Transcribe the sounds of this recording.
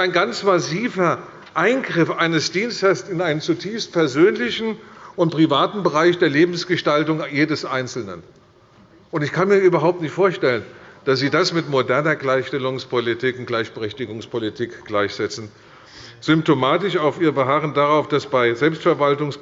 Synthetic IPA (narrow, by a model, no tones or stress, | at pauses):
aɪnɡant͡smasiːvɐ | ʔaɪnɡʁɪfʔaɪnəsd̥iːnstɐsɪnaɪnənt͡sutʰiːfst̚pʰɛɐzøːnlɪçn̩ʔʊntpʁ̥ivaːtn̩bəʁaɪçd̥eːɐleːbm̩sɡ̥əʃtaltʊŋjeːdəsʔaɪnt͡sl̩nə̰n | ʔʊntɪçkʰanmiːɐʔyːbɐɦaʊp̚tnɪçtfoːɐʃtɛlənd̥asz̥iːdasmɪtmodɛɐnɐɡlaɪçʃtɛlʊŋspʰolitʰikʊnɡ̥laɪçb̥əʁɛçtɪɡʊŋspʰolitʰiːkɡ̥laɪçz̥ɛt͡sn̩ | z̥ʏmp̚tomaːtɪʃaʊfiːʁəbəɦaːʁəndaʁaʊfd̥asb̥aɪzɛlpstfɛɐvaltʊŋs